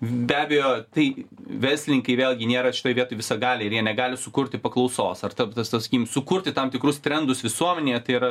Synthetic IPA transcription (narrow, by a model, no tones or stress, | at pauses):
bʲæːbʲejoːt̪ɐɪʋʲɛrʲsʲlʲnʲɪŋkɐɪʋʲeːlˠɡʲɪnʲeːɾɐʃʲɪt̪oːjʋʲiɛt̪oːjʋʲɪsɐɡɑːlʲeːɪɾjiɛnʲɛɡɑːlʲɪsʊkʊrʲt̪ʲɪpɐklˠɐʊsoːsɐrt̪ɐt̪ɐst̪ɐsɐ̥kikʲmsʊkʊɾʲt̪ʲɪt̪ɐmt̪ʲɪkɾʊst̪ʲɾʲɛnd̪ʊsʋʲɪsuɔmʲɛnʲeːjɛt̪ɐɪiɾɐ